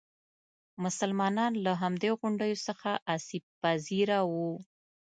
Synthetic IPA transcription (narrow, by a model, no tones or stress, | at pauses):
mʊsalmɑnɑnlaɦamd̪eoɣʊɳɖəjosəxaʔasib̚paziɾawu